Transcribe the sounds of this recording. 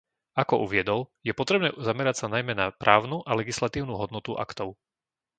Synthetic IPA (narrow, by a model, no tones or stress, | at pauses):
akɔʔuʋɪɛd̪ɔljɛpɔt̪ɾɛbnɛːzamɛɾacsanajmɛnapɾʔaːʊnuʔalɛɡislat̪iːʊnuːɦɔd̪nɔt̪uʔa̰kt̪ɔʊ